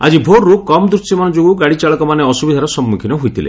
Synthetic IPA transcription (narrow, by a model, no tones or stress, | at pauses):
a̰d͡ʒibʱoɾːukɔmɔd̪ɾusimanɔd͡ʒoɡuɡaɽit͡ʃaɭɔkɔmaneɔsubid̪ʱaɾɔsɔmːukʰinɔɦujt̪ʰilḛ